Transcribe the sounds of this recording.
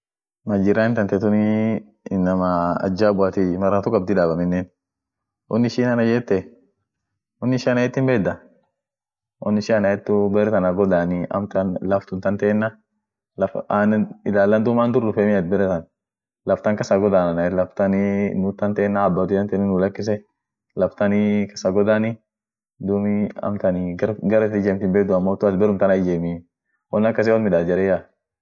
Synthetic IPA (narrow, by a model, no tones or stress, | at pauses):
mɐd͡ʒɪɾaɪnt̪ɐnt̪ɛt̪ʊnɪ | nːɐmɐɐ̰d͡ʒːaːbʊat̪ɪmɐrːɐt̪ʊkɐb̚d̪ɪᶑaːbɐmɪnːeːn | ʔɔnːɪʃiːnɐnɐd͡ʒɛːt̪ːɛ | ɔnːɪʃɪɐnɐjɛt̪ːɪmbɛːd̪ɐ | ʔɔnːɪʃɪɐnɐɛt̪ːʊbɛɾɛt̪ɐnaɡɔd̪aːnɪɐ̰mt̪ɐnlɐft̪ʊnt̪ɐnt̪eːnːɐ | lɐfanɪlaːlːɐnd̪ʊmaːnd̪ʊrːʊfɛmɪɐt̪̚bɛɾɛt̪ɐn | lɐft̪ɐŋkɐsaɡɔd̪aːnɐnɐɛlɐft̪ɐnɪnʊt̪ːɐnt̪eːnːaːbːɐd̪ʊɐnt̪ɛnɪnʊlɐkːɪs̬ɛ | lɐft̪ɐnɪkɐ̥saɡɔd̪anɪ | d̪umɪɐ̰mt̪ɐnɪɐɡɐɾɛt̪ːɪd͡ʒɛmt̪ɪmbeːkd̪ʊɐmːot̪ːʊɐd̪bɛɾʊmt̪ɐnɐd͡ʒeːmɪ | wɔnːɐkːɐs̬ɛwɐlmɪdaːd͡ʒɛɾɛja